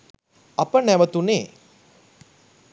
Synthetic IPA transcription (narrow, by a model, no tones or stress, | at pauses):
apənæʋət̪uneː